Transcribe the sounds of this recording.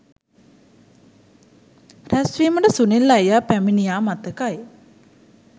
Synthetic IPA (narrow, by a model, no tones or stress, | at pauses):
ræsʋiːməʈəsunilːajjaːpæminijaːmat̪əkaj